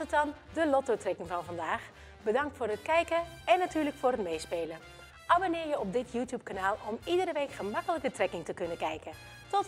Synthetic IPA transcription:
ətɑndəlɔtotrɛkɪŋvɑnvɑndaːx | bədɑŋk̚tfʊːrətkɛjkəɛnːatyːɹləkfʊːrɦətmejspeːlə | ʔabonɪːɹjəɔp̚dɪtʰjuːtjup̚kanaːlˠɔmidəɾəʋejkχəmɑkələkətrɛkɪŋtəkɵnəkɛjkən | tɔt

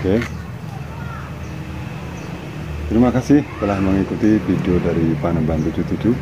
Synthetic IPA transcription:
ke | t̪əɾimakasɪht̪əlahməŋikut̪ifideodaɾipanəmbant̪ud̪ut̪udu

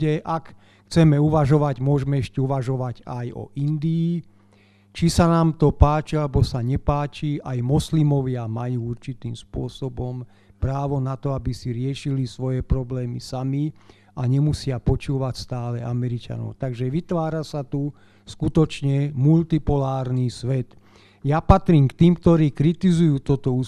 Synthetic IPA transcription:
ɛʔak | xt͡sɛmɛuʋaʒɔʋaɟmʊɔʒmɛɛʃcɛuʋaʒɔʋaɟajɔ̰ʔind̪iː | t͡ʃisanaːmt̪ɔpaːt͡ʃialɛbɔsaɲɛpaːt͡ʃiʔajmɔslimɔʋɪamajuːuɾt͡ʃit̪iːmspʊɔsɔbɔm | pɾaːʋɔnat̪ɔabisiɾɪɛʃilisʋɔjɛpɾɔblɛːmisami | aɲɛmusɪapɔt͡ʃuːʋacst̪aːlɛʔamɛɾit͡ʃa̰nɔ̰ʊt̪aɡʒɛʋit̪ʋaːɾasat̪u | skut̪ɔt͡ʃɲɛmult̪ipɔlaːɾnisʋɛt̪ | japat̪ɾiːmkt̪iːmkt̪ɔɾiːkɾit̪izujuːt̪ɔt̪ɔu

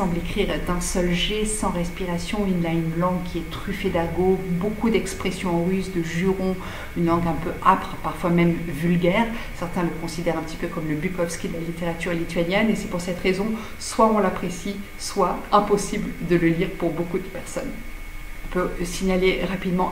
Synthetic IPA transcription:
sɑ̃blekχiʁd̪ɛ̃sœlʒesɑ̃ʁɛspiʁasjɔ̃inlaynlɑ̃ɡkʲiɛt̪χyfed̪aɡobokud̪ɛkspχɛsjɔ̃ɑ̃ʁyzd̪əʒyʁɔ̃ | ynlɑ̃ɡɛ̃pøapχpaʁfwamɛmvylɡʲɛːʁsɛʁt̪ɛ̃ləkɔ̃sid̪ɛʁɛ̃pət̪i̥pøkɔmləbykɔfskʲid̪əlalit̪eʁat̪yʁlit̪ɥanjɛnesɛpuʁsɛt̪ʁezɔ̃ | swaɔ̃lapχesi | swaɛ̃pɔsibld̪ələliʁpuʁbokud̪əpɛʁsɔn | ɔ̃pøsiɲaleʁapid̪mɑ̃

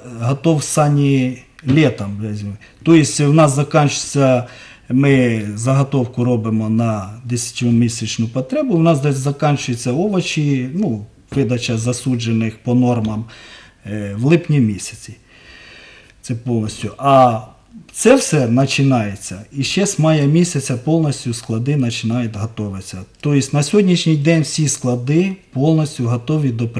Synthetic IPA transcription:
ɦɐt̪ɔwsɑnʲilʲɛt̪ɐmʲɛzʲmɪ | t̪ɔjɪsʲwnɑszɐkɑnʲt͡ʃʊ̥t͡sʲːɐ | mɪzɐɦɔt̪ɔwkʊɾɔbɪmɔnɐd̪esʲɐ̥tʲmʲisʲɐt͡ʃnʊpɔt̪ɾɛbʊwnɑsd̪ɐzɐkɑnʲt͡ʃʊjet͡sʲːɐɔʋɐt͡ʃʲinu | ʋɪd̪ɐt͡ʃɐzɐsud͡ʒenɪxpɔnɔrmɐm | ʋlˠɪpnʲimʲisʲɐ̥t͡sʲi | t̪sɛpɔlˠnɔsʲtʲʊʔɐ | t̪sɛwsɛnɐt͡ʃɪnɑjet͡sʲːɐiʃt͡ʃɛsʲmɑjɐmʲisʲɐt͡sʲɐpɔlˠnɔsʲtʲʊsklˠɐd̪ɪnɐt͡ʃɪnɑjʊt̪ʲɦɔt̪ɔʋɪt͡sʲːɐt̪ɔjɪsʲtʲnɐsʲɦɔdʲnʲiʃnʲijd̪ɛnʲwsʲisklˠɐd̪ɪpɔlˠnɔsʲtʲʊɦɔt̪ɔʋʲid̪ɔp

